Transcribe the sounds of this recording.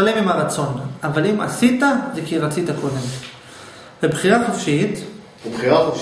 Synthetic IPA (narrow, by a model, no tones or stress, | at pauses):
alemimhaʁat͡so̞navalima̰sit̪azekiʁat͡sitako̞d̪e̞m | vebχiʁaχofʃit̪ | ebχiʁa